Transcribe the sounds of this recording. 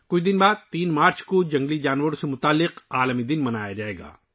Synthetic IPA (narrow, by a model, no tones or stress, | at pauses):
kʊt͡ʃʰd̪ɪnbaːd̪̚t̪iːnmaːɾt͡ʃkod͡ʒɐ̃ŋɡlid͡ʒaːnʋəɾsemʊt̪aːlːɪqaːləmid̪ɪnmɐnaːjad͡ʒaːeːɡa̰ː